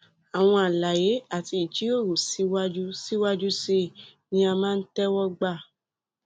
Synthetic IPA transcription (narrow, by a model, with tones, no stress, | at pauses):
a˨w̃ɔ̃˧a˨la˨je˨˦a˦˨ti˧i˨t͡ʃi˨˦o˦˨ɾo˨si˦wa˦d͡ʒu˦si˦wa˦d͡ʒu˦se˧˨nĩ˦a˧mãː˦˧n̩˦tɛ˦wɔ˦ɡ͡ba˦˨